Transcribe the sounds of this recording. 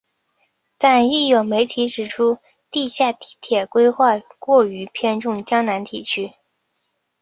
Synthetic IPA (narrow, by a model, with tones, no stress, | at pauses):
t̪a˥˧ni˥˩jo˨˩ʊme˧˥ɪt̪ʰi˧˥ʈ͡ʂɻ̩˨˩ʈ͡ʂʰu˥ | t̪i˥˧ɕja˥˩t̪i˧˥t̪ʰjɛ˨˩kwe˥ɪxwa˥˧ɪkwɔ˥˩y˧˥pʰjɛ˥nʈ͡ʂʊ˥˩ŋt͡ɕjɑ˥ŋna˧˥nt̪ʰi˨˩t͡ɕʰy˥